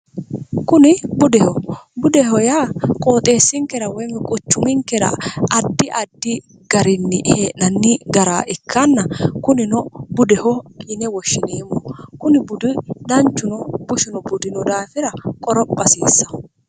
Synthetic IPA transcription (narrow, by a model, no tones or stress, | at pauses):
kʊnɪbʊd̪ɛhɔbʊd̪ɛhɔjaːkʼo̞ːt̪ʼe̞ːsːɪŋkɛɾɐwɔjmɛkʼʊt͡ʃːʊmɪŋkɛɾɐ̰ɐd̪ːɪʔɐd̪ːɪ | ɡ̥ɐɾɪnːɪheːʔɐnːɪɡɐɾaːʔɪkʰːɐnːɐkʊnɪnɔbʊd̪ɛhɔkʼinɛwɔʃːɪneːmɔkʊnɪbʊd̪ʊd̪ɐnt͡ʃːʊnɔbʊʃɪnɔbʊd̪ɪnɔd̪aːfɪɾɐkʼɔɾɔpʼːɐsiːsːɐ